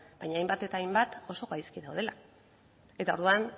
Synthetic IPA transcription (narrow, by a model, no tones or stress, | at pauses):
b̥ajɲaːjmbat̪e̞t̪aːjmbat̪o̞so̞ɣajskiðawð̞e̞la | e̞t̪ao̞ɾð̞uan